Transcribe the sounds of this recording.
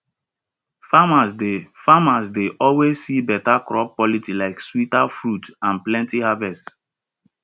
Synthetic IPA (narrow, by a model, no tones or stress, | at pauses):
famasdefamasdeʔɔlwezːibɛtakɹɔp̚ːɔlitilaɪkswitafɹutãnplɛ̃ntihavɛst